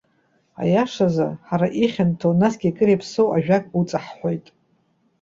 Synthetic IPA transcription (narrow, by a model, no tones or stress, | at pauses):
a̰jaʂaza̰ħaɾaʔiχʲantʰonasɡʲiakʼɨɾejpʰsowʔaʒᶣakʼut͡sʼaħħʷo̞jtʼ